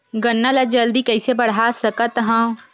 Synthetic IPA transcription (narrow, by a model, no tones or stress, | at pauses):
ɡɐnːalad͡ʒɐld̪ikɛisebɐɽ̤aːsɐkat̪ɦãː